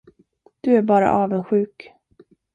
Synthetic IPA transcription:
d̪̥ɵæɾbɑːɾa̰ʔɑːvənɧʉ̟ːk

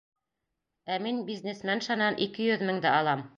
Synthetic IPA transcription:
æminbʲiznʲesmænʃɑnɑnʔikɘjɵðmɘŋd̪æɑlˠɑm

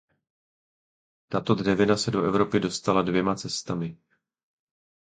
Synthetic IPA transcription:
t̪at̪o̞d̪rɛvɪnasɛdoʔɛvɾo̞pɪdo̞st̪aladvjɛmat͡sɛst̪amɪ

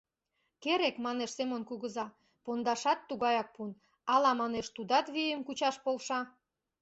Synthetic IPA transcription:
keɾekmɑneʃsemonkuɣəzɑ | pond̪ɑʃɑt̪ːuɣɑjɑk̚pun | ɑlɑmɑneʃt̪ud̪ɑt̪βijəmkut͡ɕɑʃpolʃɑ

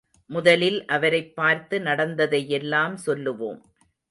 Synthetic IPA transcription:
mʊðɐlɪlʔɐʋɐɾɐɪpːaːɾt̪ɯnɐɽɐnd̪ɐðɐjɛlːaːmsɔlːɯʋo̰ːm

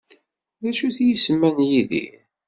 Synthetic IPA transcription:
ðæʃuθjisəmːænjiðḭ

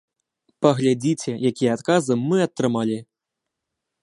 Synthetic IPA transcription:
pɐɣlʲad͡zʲit͡sʲɛjakʲijɛat̪kazɨmɨɐt̪ːɾɨmalʲi

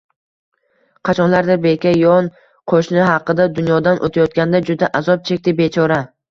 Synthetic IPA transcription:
qʰɑt͡ʃʰɒnlaɾd̪aɾbe̞kʲajɒn | qʰoʃnɪɦɑqːɨd̪ad̪ʊnjɒd̪anʔot̪ʰajɒt̪̚kʲand̪ad͡ʒʊd̪aʔazɒp̚t͡ʃʰek̚ʲt̪ɪbe̞t͡ʃʰɒɾa

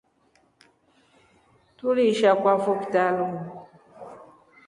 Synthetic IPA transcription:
tuliʃakʷwafoktaluŋ

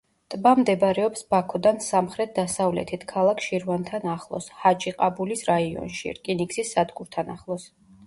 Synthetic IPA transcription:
t̪ʼbamd̪ɛbɾɛɔpsbakʰɔd̪ansamχɾɛt̪̚d̪asavlɛ̰t̪ʰit̪ʰkʰalˠakʰʃiɾvant̪ʰanaχlˠɔ̰shad͡ʒʼiqʼabulisɾaiɔ̰nʃḭɾkʼiniksisːad̪ɡuɾt̪ʰana̰χlˠɔs

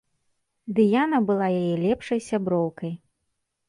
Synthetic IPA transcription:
d̪ɨjanɐbɨlˠajajɛlʲɛpʂɐjsʲabɾɔwkɐj

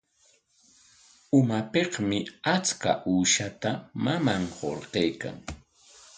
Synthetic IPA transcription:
ʊmapeqmɪat͡ska̰ʔuːʃat̪amamamɢo̰ɾɢejka̰ŋ

